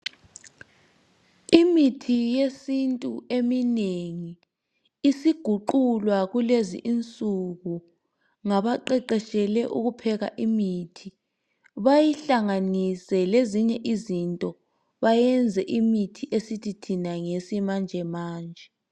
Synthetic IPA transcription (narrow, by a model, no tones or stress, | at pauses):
imitʰijesintʼṵemineŋiː | siɡ̥ʱuǃulwaɣulezḭʔint͡sʼuɣu | ŋaβaǃɛǃɛʃʼɛlɛʔuɣupʰɛɣa̰ʔimitʰi | βajiɬaŋanisɛleziɲɛʔizintʼɔ | βajɛnd͡zʱɛʔimitʰiʔesitʰitʰinaŋesimand͡ʒʱɛmaːnd͡ʒʱɛ